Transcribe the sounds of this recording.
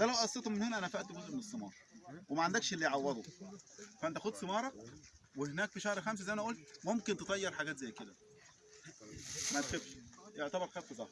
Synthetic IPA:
d̪ælæwʔæʔɑsˤːet̪umenhenæʔænæfæʔt̪ɡozʔmenesːemɑ̰ːɾˤɑwemæʕand̪ækʃelːiʕawːɑd̪ˤo | fæʔænt̪æxod̪semɑːɾˤɑ | wehenæːkfiʃæhɾxæms̬æzæjʔænʔuːlt̪̚momkent̪et̪ˤɑjːɑɾˤħaɡæːt̪zæjːked̪æ | mæd̪xebʃʔoʕt̪æbɑɾˤxæfezˤɑh

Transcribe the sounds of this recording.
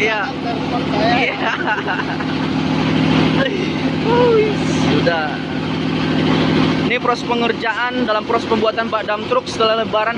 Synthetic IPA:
ja | ja | boisuda | inipɾɔspəŋərd͡ʒaʔandalampɾɔspəmbuat̪anpadamt̪ɾʊk̚sə̥t̪əlaləbaɾan

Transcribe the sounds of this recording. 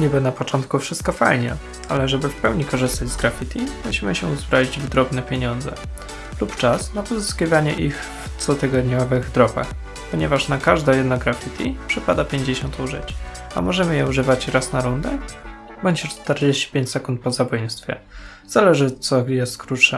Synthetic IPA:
ɲibɔnapɔt͡ʂɔnt̪̚kufʂɘst̪̚kɔfajɲɛ̰ | alɛʐɛbɘfpɛwɲikɔʐɘst̪ad͡ʑʲzɡɾafʲit̪ʰʲimuɕimɘɕɛuzbɾavid͡ʑvd̪ɾɔbnɛpʲjeɲɔnd̪zɛ̰ | lupt͡ʂasnapɔzɘskʲivaɲɛ̰ʔix | ft̪sɔt̪ɘɡɔd̪ɲɔvɘɣd̪ɾɔpa̰x | pɔɲɛvaʂnakaʐd̪ɔjɛd̪nɔɡɾafʲit̪ʰʲipʂɘpad̪apʲjeɲd͡ʑeɕɔnt̪uʐɘ̰t͡ɕa̰mɔʐɛmɘjɛuʐɘvat͡ɕɾasnaɾund̪ɛ | bɔɲd͡ʑɛt͡ʂt̪ɛɾd͡ʑeɕt͡ɕi̥pʲeɲt͡ɕsɛkunt̪̚pɔzabɔjnst̪fʲjɛ̰ | z̥alɛʐɘɔt̪sɔjɛst̪kɾutʂɛ

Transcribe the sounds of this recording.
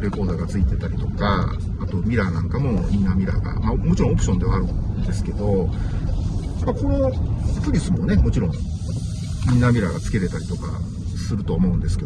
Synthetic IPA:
ɾe̞ko̞ːd̪aɡat͡sɨit̪e̞t̪aɾʲit̪o̞kaː | t̪o̞mʲiɾanãŋkamo̞mʲinːamʲiɾa̰ɡa̰mamo̞t͡ɕiɾõop̬ɯ̟ɕo̞nd̪e̞βaːɾɯ̟̃nd̪e̞sɨ̥ke̞d̪o̞ | amːako̞no̞pɯ̟ɾʲisɨmo̞ne̞mo̞t͡ɕiɾõ̞ŋ̃ | ĩnːamʲiɾaɡat͡sɨ̥ke̞ɾe̞t̪aɾʲi̥t̪o̞ka̰ | sɨɾɯ̟t̪o̞ːmo̞ɯ̟nd̪e̞sɨ̥ke̞

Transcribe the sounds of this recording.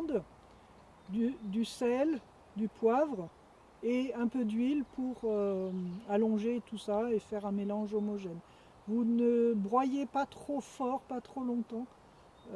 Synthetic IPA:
d̪ | d̪yd̪ysɛl | d̪ypwavʁ | eɛ̃pød̪ɥilpʰuʁø | alɔ̃ʒet̪usaefɛʁɛ̃melɑ̃ʒomɔʒɛn | vunəbʁwajepat̪χofɔʁpat̪χolɔ̃t̪ɑ̃

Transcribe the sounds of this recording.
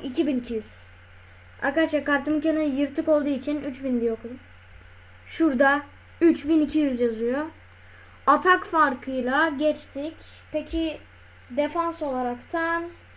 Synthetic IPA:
icʰibinicʰijyz̥ | a̰kad̪aʃakaɾt̪ɯmɯcʰanɯjɯɾt̪ɯko̞lˠd̪uːit͡ʃʰinyt͡ʃbind̪ijok̪ | ʃuɾd̪a | yt͡ʃbinicʰijyzjazɯjo | at̪ʰakfaɾkʰɯjlˠaɟɛt͡ʃt̪ʰic | pʰecʰi | d̪efanso̞lˠaɾakt̪ʰan

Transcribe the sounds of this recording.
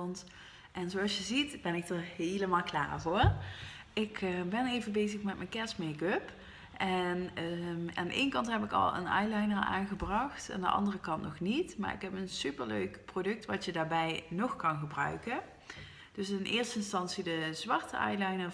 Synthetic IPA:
nt | ʔɛnzoɑlˠsjəzitb̥ɛnɪk̚tɔɦejləmaːlˠkla̰ːɹɦʊːr | ɪkəbɛnejvəbejzəxmɛt̚mɛnkɛsmɛɡøp | ʔɛn | a̰ːndəʔḛjnkɑntɦɛpɪkɑ̰lˠə̰nɑ̰jlɑjnəɹa̰ːnɣəbrɑxta̰ndə̰ʔɑ̰ndərəkɑntnɔxnitma̰ːɹɪ̰kɦɛpənsypəɹlø̰ɥkprodɵk̚tʋɑtjədaːɹbɛjnɔxkɑnɣəbrœ̰ɥkə | d̥ɵsɪnʔɪːɹstəɪnstɑnsidəzʋɑɹtə̰ɑ̰jlɑjnə

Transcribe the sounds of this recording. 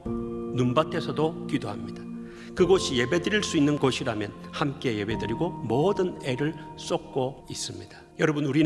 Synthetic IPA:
numbatʰe̞sʰʌdokidoɦamɲid̥ḁ | kɯɡʌɕʰije̞be̞dɯɾiɭs͈uinːɯnɡʌɕʰiɾamjʌnhamk͈e̞je̞be̞dɯɾiɡomʌdɯne̞ɾɯɭs͈ok̚k͈ois͈ɯmɲid̥ḁjʌɾʌbɯnuɾi

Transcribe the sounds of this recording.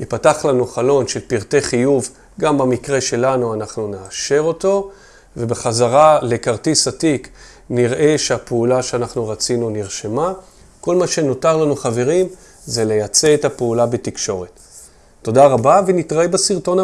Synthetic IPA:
ipataχlanuχalo̞nʃe̞lpiʁte̞χijuv | ɡambamikʁe̞ʃe̞lanuanaχnuneaʃe̞ʁo̞to̞ | ve̞beχazaʁale̞kaʁtisatik | niʁʔe̞ʃeapeulaʃeanaχnuʁat͡sinuniʁʃema | ko̞lmaʃe̞no̞taʁlanuχave̞ʁim | zele̞jat͡se̞ːtapeulabe̞tikʃo̞ʁe̞tː | o̞daʁabavenitʁaebasiʁto̞na

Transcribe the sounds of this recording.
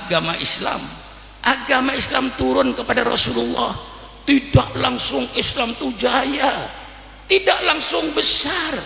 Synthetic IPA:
ɡamaʔisla̰m | ʔaɡamaislamt̪uɾʊnkəpadaɾɔ̰sululːɑ̰h | t̪idaʔlaŋsʊŋɪslamt̪ud͡ʒaja | t̪idaʔlaŋsʊŋbəsar

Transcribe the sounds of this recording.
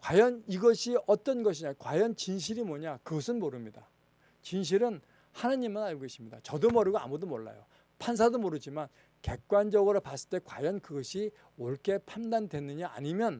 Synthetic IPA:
kwajʌniɡʌɕʰiʌt͈ʌnɡʌɕʰiɲakwajʌnt͡ɕinɕ̬ʰiɾimwoɲakɯɡʌsʰɯnmoɾɯmɲida | t͡ɕinɕ̬ʰiɾɯn | hanaɲimːanaɭɡoiɕ͈ʰimɲida̰t͡ɕʌdomʌɾɯɡoa̰mudomoɭːa̰jo̰ | pʰans̬ʰadomoɾɯd͡ʑiman | ke̞k̚k͈wand͡ʑʌɡɯɾopas͈ɯ̥ɭt͈e̞kwajʌnkɯɡʌɕʰi | oɭk͈ʰe̞pʰandandwe̞nːɯɲaa̰ɲimjʌn

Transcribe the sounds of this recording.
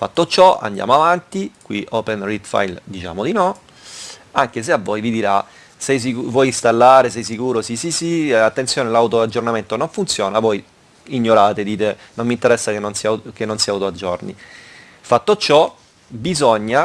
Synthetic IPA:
fa̰t̪ːot͡ʃɔa̰nd̪ja̰ːmoavant̪ikwiʔɔpenrit̪fa̰jld̪it͡ʃa̰ːmod̪inɔ | aŋk̟es̬eavːojvid̪iɾa | sɛjs̬ikuvwɔjinst̪alːaːɾesɛjs̬ikuːɾosisisiat̪ːent̪sjoːnelawt̪oad͡ʒːornament̪onoɱfunt̪sjɔːnavɔj | iɲːoɾaːt̪ed̪iːt̪e | nomːint̪eɾɛsːakenonsiakenːonsiawt̪oad͡ʒːɔrnḭ | fat̪ːot͡ʃɔ | bizɔɲːa

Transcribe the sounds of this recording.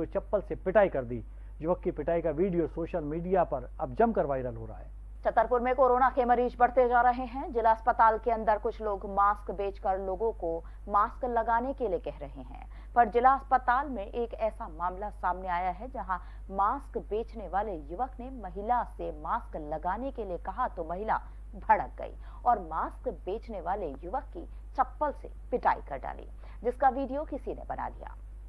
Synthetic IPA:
ot͡ʃɐpːəlsepɪʈaːikɐɾd̪ḭ | jʊʋəkːipɪʈaːikaʋiːɖijosoːʃəlmiːɖijapɐɾɐb̚d͡ʒɐmkɐɾʋaːɪɾəlɦo̰ːɾaa̰ɦɛː | t͡ʃɐt̪ːəɾpʊɾmẽkoːɾoːnakemɐɾiːd͡ʒbɐɽt̪ed͡ʒaːɾɐɦeɦɛ̃d͡ʒɪlaɐspət̪aːlkeɐ̃nd̪əɾkʊt͡ʃʰloːɡmaːskbeːt͡ʃkɐɾloːɡõko | maːsklɐɡaːnekeliekɛɦɾɐɦeɦɛ̰̃ː | pɐɾd͡ʒɪlaɐspət̪aːlmẽʔeːkɛːsamaːmlasaːmneaːjaɦɛd͡ʒɐɦã | maːskbeːt͡ʃneʋaːlejʊʋəknemɐɦɪlasemaːsklɐɡaːnekeliekɐɦat̪omɐɦɪla̰ | bʱɐɽək̚ɡɐ̰ḭː | ɔːɾmaːskbeːt͡ʃneʋaːlejʊʋəkːi | t͡ʃɐpːəlsḛ | pɪʈaːḭkɐɾɖa̰ːlḭː | d͡ʒɪskaʋiːɖijokɪsinḛbɐna̰d̪ija̰ː

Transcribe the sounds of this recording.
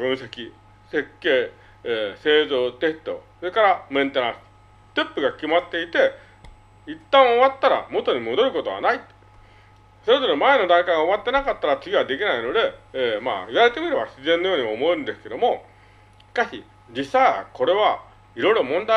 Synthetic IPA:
bɯ̟̃ɰ̃se̞kʲi | se̞kːe̞ː | eːse̞ːzo̞ːt̪e̞t̪ːo̞̰soɾekaɾamẽ̞nt̪enãsɨ̥ | t̪e̞pːɯ̟ɡakʲimat̪ːe̞it̪e̞ | it̪ːãɰ̃oβat̪ːaɾa̰mo̞t̪o̞ɲ̟imo̞d̪o̞ɾɯ̟ko̞t̪o̞βa̰nait̪ːe̥ | so̞ɾe̞zo̞ɾe̞mae̞no̞d̪ãŋkaiɡaoat̪ːe̞nakat̪ːaɾat͡sɨɡʲiβad̪e̞k̬ʲinaino̞d̪e̞ːma̰ːiβaɾe̞t̪e̞mʲiɾɯ̟βaɕizẽ̞nːo̞jo̞ːɲimaomo̞ẽnd̪e̞sɨ̥ke̞d̪o̞mo̞ | ɕi̥kaɕḭ | d͡ʑisaako̞ɾe̞βa | iɾo̞iɾo̞mõ̞nd̪a

